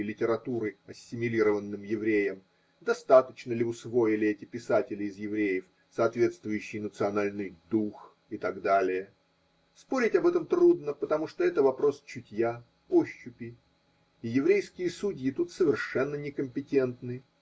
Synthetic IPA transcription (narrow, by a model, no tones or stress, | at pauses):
lʲɪtʲɪɾɐt̪uɾɨɐsʲːɪmʲɪlʲiɾəvənːɨmjɪvɾʲejəm | d̪ɐst̪at̪ət͡ɕnəlʲɪʊsvo̞jɪlʲɪɛtʲɪpʲɪsatʲɪlʲɪɪzjɪvɾʲejɪf | sɐːt̪vʲe̞t̪st̪vʊjʉɕːɪjnət̪sɨɐnalʲnɨjd̪ux | ɪt̪aɡd̪alʲɪjə | spo̞ɾʲɪtʲɐbɛt̪əmt̪ɾud̪nəpət̪ɐmuʂt̪oɛt̪əvɐpɾo̞st͡ɕʊtʲja | oɕːʊpʲɪ | ijɪvɾʲejskʲɪjəsudʲjɪt̪ut̪səvʲɪrʂɛnːənʲɪkəmʲpʲɪtʲe̞nt̪nɨ